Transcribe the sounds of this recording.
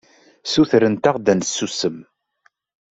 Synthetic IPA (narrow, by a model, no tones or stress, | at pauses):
suθɾənt̪aʁd̪ænsːusəm